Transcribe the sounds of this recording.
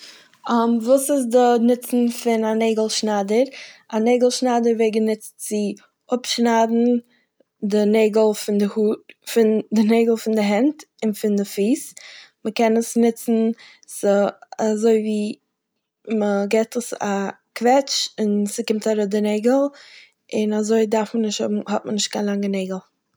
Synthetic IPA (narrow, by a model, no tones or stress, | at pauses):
amvuːsɪsdənɪt͡sn̩fɪnaneɪɡl̩ˠʃnadəɾaneɪɡl̩ˠʃnadəɾveɪɡənɪt͡stt͡sɪ | ʊpʃnadn̩ | dɪneɪɡl̩ˠfɪndɪhuːtfɪndɪneɪɡlˠfɪndɪɦɛnt | ɪnfɪndɪfiːsməkɛnəsnɪt͡sn̩ | sazoɪviː | məɡɛɪtəsa̰ | kvɛt͡ʃɪnsɪkɪmtaɾoːt̚dɪneɪɡl̩ˠ | ɪnazoɪdaɾfmənɪʃthʊ̰bm̩hɔt̚mənɪʃt̚kʰaɪnlˠaŋəneɪɡl̩ˠ